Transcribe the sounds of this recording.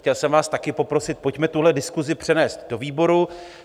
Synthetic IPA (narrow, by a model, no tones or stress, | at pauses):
cɛlsɛmvaːst̪akɪpo̞pɾo̞sɪt̪̚po̞cmɛt̪uɦlɛdɪskuzɪpr̝̥ɛnɛːst̪do̞viːbo̞ɾu